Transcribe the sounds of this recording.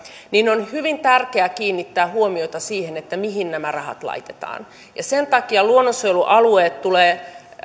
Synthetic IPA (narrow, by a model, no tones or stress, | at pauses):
ninonhyʋint̪ærkeækiːnːit̪ːæːhuomioit̪ɑsiːhenet̪ːæmiɦinnæmærɑhɑ̰t̪lɑ̰it̪et̪ɑ̰ːn | jɑsent̪ɑkiɑluonːosojluʔɑlueːt̪t̪uleː